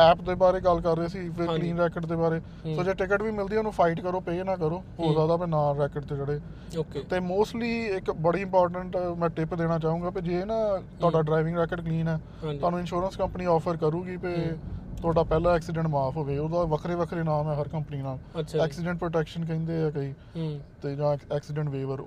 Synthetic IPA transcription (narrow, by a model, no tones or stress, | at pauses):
ɛːpd̪eːbaːɾeːɡəlkəɾːeːsiːfekliːnɾɛːkəɖd̪eːbaːɾeː | soːd͡ʒeːʈɪkəʈʋiːmɪld̪iːoːnũːpʰaːɪʈkəɾoːpeːnãːkəɾoː | oːzjaːd̪aːpenaːɾɛːkəɖt̪eːd͡ʒəɽeː | oːkːt̪eːmoːsʈliːɪkbəɽiːɪ̃mpɔːɾʈəɳʈmɛ̃ːʈɪpd̪eːɽ̃aːt͡ʃaːɦũːŋɡaːpeːd͡ʒeːnãːt̪ʊaːɖaːɖɾaːɪʋɪ̃ŋɡɾɛːkəɖkliːnɛ̃ː | ʊaːnũːɪnʃuːɾənskəmpniːɔːpʰəɾkəɾuːɡiːpeːt̪ʰʊaːɖaːpɛːlaːɛːksɪɖə̃ɳʈmaːpʰoːʋeːoːd̪aːʋəkʰɾeːʋəkʰɾeːnaːmɛːɦəɾkəmpəniːnaːlt͡ʃʰɛːksɪɖə̃ɳʈ̚pɾoːʈɛːkʃənk̬ɛ̃ːnd̪eːɛːkəiː | t̪eːd͡ʒãːɛːksɪɖə̃ɳʈʋeːʋəɾ